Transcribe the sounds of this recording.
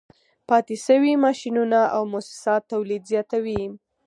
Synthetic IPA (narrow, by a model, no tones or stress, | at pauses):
pɑt̪ɪʃəwimɑʃinunaʔawmʊsɪ̥sɑt̪ːawlid̪zjɑt̪awi